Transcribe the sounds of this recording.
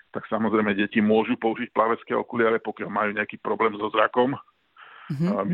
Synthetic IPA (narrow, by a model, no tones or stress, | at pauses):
t̪aksamɔzɾɛjmɛɟɛcimʊɔʒupɔuʒic̚plaʋɛt͡skɛɔ̰kulɪaɾɛpɔkɪalmajuːɲɛakiːpɾɔblɛːmzɔzɾakɔm | m